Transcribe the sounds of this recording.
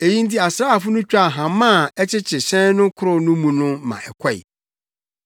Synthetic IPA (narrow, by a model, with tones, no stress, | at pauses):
e˨jĩ˦n̩˦ti˦a˨sɾa˦a˨fʊ˦nʊ̃˦t͡ɕᶣa˨ɦã˨mã˦˨ɛ˦t͡ɕʰɪ˦t͡ɕʰɪ˨ɕɛ̃˦n˦nʊ̃˦kʰʊ˦ɾʊ˦nʊ̃˦mũ˨nʊ̃˦mã̰˨ʔɛ˨kʰɔ˦˨ḭ˨